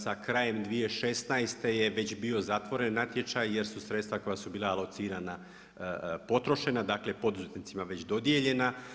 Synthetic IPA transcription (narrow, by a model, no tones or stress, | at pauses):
sakɾaːje̞md̪ʋije̞ʃe̞st̪naest̪e̞je̞ʋe̞t͡ɕbio̞zat̪ʋo̞ɾe̞nːat̪je̞t͡ʃajje̞ɾsusɾet̪st̪ʋako̞jasubiːlaːlˠo̞t̪siːɾana | po̞t̪ɾo̞ʃe̞nad̪akle̞po̞d̪uze̞t̪nit̪simaʋe̞t͡ɕd̪o̞d̪je̞ʎe̞na